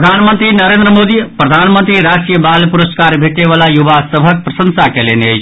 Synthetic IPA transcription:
d̪ʱaːnmənt̪ɾinəɾeːnd̪ɾəmoːd̪ipɾəd̪ʱaːnmənt̪ɾiɾaʃʈɾijəbalpuɾəskaːɾbʱeʈeʋalajuʋasəbʱək̚pɾɐsənsakelenet͡ʃ

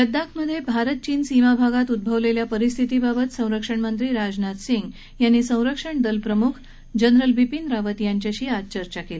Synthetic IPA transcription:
jəd̪ːakʰməd̪ʱːjebʱaɾət̪̚t͡ɕiːnsimabʱaɡat̪ud̪̚bʱəʋleljapəɾist̪ʰit̪ibabət̪sə̃w̃ɾəkʂəɳmənt̪ɾiːɾad͡ʑnat̪siŋɡ | janːiːsə̃w̃ɾəkʂəɳd̪əlpɾəmukʰ | d͡ʑənɾəlʋipind̪ɾaʋət̪jaɲt͡ɕjaɕiːat͡ɕəɾt͡ɕakele

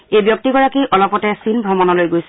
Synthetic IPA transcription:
ejbjɔk̚tiɡɔɹakiʔɔlɔpɔtɛsinbʱɹɔmɔnɔlojɡojsɛ

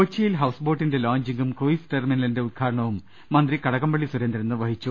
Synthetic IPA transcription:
ot͡ɕːijilɦɐwsbo̞ːʈːinde̞laːɲd͡ʑiŋɡumkoːisʈeːrminɐlɐnde̞ud̪̚kʰaːɾɐɳɐʋumː | ɐnd̪rikɐɽɐɣɐmbɐɭːisuɾend̪ɾɐnːɨʋɐhit͡ɕːu

